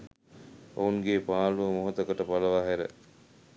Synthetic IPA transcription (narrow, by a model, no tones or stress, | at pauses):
o̰unɡeːpaːluəmoɦot̪əkəʈəpaləʋaːɦæɾə̰